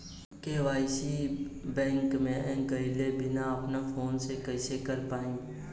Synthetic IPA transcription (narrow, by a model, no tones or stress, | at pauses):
keʋaːɪsibɛ̃ːŋkmẽʔɛ̃ːkəilebʱɪnaɐpnafʰoːnsekəɪsekəɾpaːĩː